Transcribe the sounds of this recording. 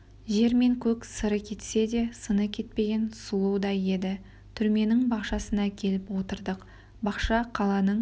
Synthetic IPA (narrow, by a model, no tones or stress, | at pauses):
ʒe̞ɾme̞ŋkʲʰɵksəɾəkʲʰe̞t̪se̞d̪e̞sənəkʲʰe̞t̪̚pe̞ɡʲe̞nsulˠud̪ɑje̞d̪ɪ | t̪ʰʏɾme̞nɪŋbɑqʃɑsənɑkʲʰe̞lɪpwo̞t̪əɾd̪əq | bɑqʃɑqʰɑlˠɑnəɴ